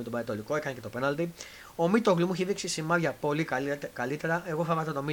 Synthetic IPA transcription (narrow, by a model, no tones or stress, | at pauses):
met̪obɐlet̪oliko̞ekɐnece̞t̪ope̞nɐlt̪i | o̞mit̪oɣlimuiçeviksisimɐɾʝɐpo̞likɐlit̪e̞ɾɐe̞ɣo̞θɐvɐt̪ɐt̪o̞mi